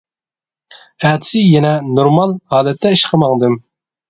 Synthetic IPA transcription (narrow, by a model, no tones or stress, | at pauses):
æt̪ʰsɪjɛnɛnoɾmɑlˠhɑːlɛt̪ʰːɛiʃqʰəmɑŋd̪ɨm